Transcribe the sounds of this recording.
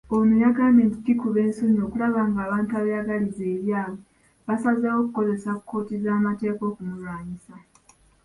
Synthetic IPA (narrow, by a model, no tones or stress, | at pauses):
onujaɡaːmeːntitikuβe̞ːnsuɲo̞ːkulaβaːŋɡaːβaːntuaβajaɡalize̞ːɾjaːβo | βasazawo̞kuko̞ze̞saku̥ko̞ːtizaːmate̞ːko̞ːkumulwaːɲisa